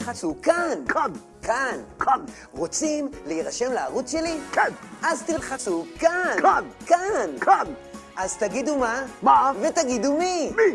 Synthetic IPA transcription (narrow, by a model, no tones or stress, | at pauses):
χat͡sukan | kʰan | ʁot͡simleiʁaʃe̞mlaaʁut͡sʃe̞li | azt̪ilχat͡sukankan | ʔazt̪aɡid̪umave̞t̪aɡid̪umi